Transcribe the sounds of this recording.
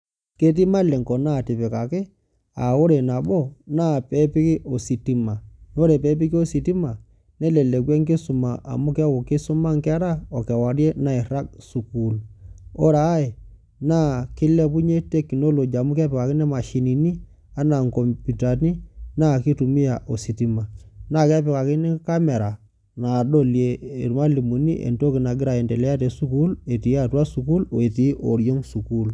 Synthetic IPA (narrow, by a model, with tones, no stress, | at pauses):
ke˦t̬i˦ma˦˨lɛ˨ŋkɔ˨na˦˨tɪ˨pɛ˨ka˨kɪ˦ | a˨o˦ɾe˨na˨ɓɔ˦na˦˨pɛ˨˦pɪ˦kɪ˦ʔo˨si˨ti˦ma˨n˦o˦ɾe˨pɛ˨˦p̬i˦kɪ˦o˦si˨ti˦ma˨ | nɛ˦lɛ˨lɛ˨kwɛ˦ŋkɪ˦sʊ˨ma˨ʔa̰˨mʊ˦ka˦wo˨kɪ˦sʊ˦ma˦ŋkɛ˦ɾa˦ɔ˨ka˨wa˨ɾjɛ˦na˦˨i˨ɾa˦k̚su˨ku˨lɔ˦ɾa˨˦e˨ | naː˦˨kɪ˦le˦pu˦ɲe˦te˦kːi˨no˦lo˨d͡ʒa˨mu˦kɛ˦pɪ˨ka˨kɪ˦nɛ˦ma˨ʃi˨ni˨ni˦ | a˦na˨ŋko˨mpu˨ta˨ni˦na˦ki˦tu˨mi˦ja˨ʔo˨si˨ti˨ma˨na˦˨kɛ˦pɪ˨ka˨kɪ˦ni˦ka˦me˨ɾa˨ | na˨ɗo˦lje˨ɾu˨ma˦li˨mu˨nḭ˦ʔḛ˨nto˦kɪ˨na˨ɡɪ˦ɾa˨e˨nde˨lɛ˦a˦te˨su˦ku˦le˨ti˨ja˦˨twa˦su˨ku˦lo˨e˨ti˦ʔo̰˨ɾjo˦ŋsu˨ku˦l